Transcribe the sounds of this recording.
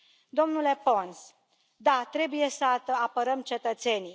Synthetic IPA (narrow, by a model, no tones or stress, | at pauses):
d̪o̞mnule̞po̞ns | d̪at̪ɾe̞buje̞səəapəɾəmt͡ʃe̞t̪ət̪se̞ni